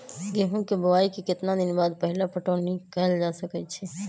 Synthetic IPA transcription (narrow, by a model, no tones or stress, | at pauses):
ɡeɦũkebəwaikekɪt̪nad̪ɪnbaːd̪̚pəɦlapəʈoːnikɛld͡ʒasəkɛt͡ʃʰɛ